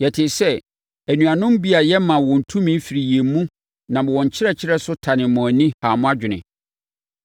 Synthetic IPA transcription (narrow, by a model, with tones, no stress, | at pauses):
jɛ˨tʰɪ˨sɛ˦ | æ˨nũ˨a˨nʊ̃˦m˦bi˦a˨jɛ˦mã˨wɔ̃˨n̩˨tʰũ˦mĩ˦fi˨ɾi˨je˨˦mũ˦ | nã˨mɔ̃˨wɔ̃˨ɲ˨t͡ɕʰɪ˦ɾɛ˦˨t͡ɕʰɪ˦ɾɛ˦sʊ˦tʰa˨nɪ̃˨mɔ̃˨nĩ˦haː˨mʊ̃˦a˦d͡ʑᶣɪ˨nɪ̰̃˨